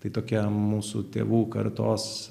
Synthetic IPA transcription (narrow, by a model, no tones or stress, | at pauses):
t̪ɐɪt̪oːkʲɛmuːsut̪ʲḛːʋuːkɐ̰ɾt̪oːs